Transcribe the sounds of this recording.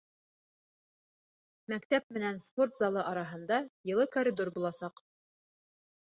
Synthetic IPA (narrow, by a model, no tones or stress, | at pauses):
mækt̪æp̚mɘ̆nænspo̞rt̪zɑlˠɤʔɑɾɑɦɤ̆nd̪ɑjɤ̆lˠɤkoɾʲɪd̪o̞ɾbulˠɑsɑq